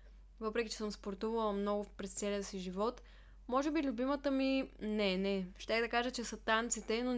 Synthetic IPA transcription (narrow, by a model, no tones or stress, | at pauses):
vɤpɾɛk̟ʲit͡ʃɛ̥səmspoɾt̪uvɐlˠəmnɔɡʊpɾɛst̪sɛliəsiʒivɔt̪ | mɔʒɛbilʲʊbimət̪əminɛnɛʃt̪ʲɛxd̪ɐkaʒət͡ʃɛsət̪ant̪sit̪ɛno